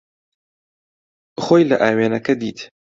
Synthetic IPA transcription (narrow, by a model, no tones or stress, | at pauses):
χojlɐʔaːweːnɐkɐd̪iːt̪